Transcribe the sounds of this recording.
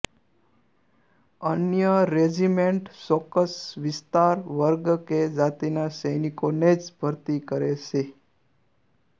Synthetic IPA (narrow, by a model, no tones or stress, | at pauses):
ənjəɾed͡ʒimeɳʈsokəsʋɪst̪aɾʋəɾɡked͡ʒat̪inasəjnikoned͡ʒbʱəɾt̪ikəɾet͡ʃʰe